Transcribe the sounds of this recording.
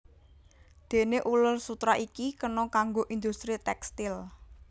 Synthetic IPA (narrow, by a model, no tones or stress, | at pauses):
d̪̥e̤neʔulʊlsut̪ɾaʔikikənɔkaŋɡoʔind̪ust̪ɾit̪ɛkst̪ɪl